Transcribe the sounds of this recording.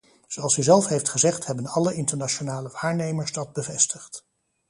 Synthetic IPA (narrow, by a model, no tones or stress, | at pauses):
z̥owɑlˠsyzɛlˠfɦejftχəzɛχthɛbənɑləɪntəɹnat͡ʃonaːləʋaːɹnejməɹstɑd̚bəvɛstəχt